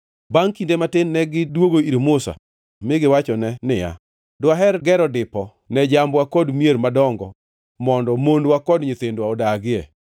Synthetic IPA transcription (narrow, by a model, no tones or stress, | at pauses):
baŋkindematɪnːɛɡɪdwoɡoiɾmʊsa̰ | mɪɡɪwat͡ʃɔnɛnɪja̰ | dwaɦɛɾɡɛɾɔdɪpɔ | nɛd͡ʒambwakɔdmieɾmadɔŋɡɔ̰ | mɔndɔmondwakɔdɲet̪endwaɔdaɡɪɛ